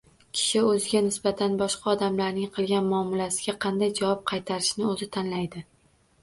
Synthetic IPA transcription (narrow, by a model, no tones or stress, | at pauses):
kʲʰɪ̥ʃɪɵzɪɡʲanɪsbat̪ʰanbɒʃqʰɑɒd̪amlaɾnɪŋqʰɨlˠɡʲanmʊɒmɪlasɪɡʲaqʰɑnd̪ajd͡ʒavɒp̚qʰɑjt̪ʰaɾɪʃnɪɵzɪt̪ʰanlajd̪ɪ